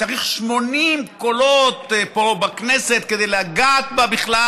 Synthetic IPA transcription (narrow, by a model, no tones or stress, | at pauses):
aʁiχʃmo̞nimko̞lot̪po̞bakneset̪ked̪ejleaɡaːt̪̚babiχla